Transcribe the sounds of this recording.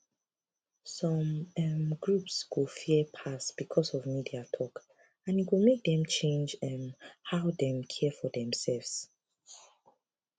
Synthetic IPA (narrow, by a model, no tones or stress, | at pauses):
sɔ̃mɛmɡɹupsɡofipʰasb̥ikʰɔsɔvmidiatʰɔk | ãnitwimek̚dɛ̃mt͡ʃʰẽnd͡ʒɛmhaʊdɛ̃mkʰɛfɔdɛ̃msɛlvs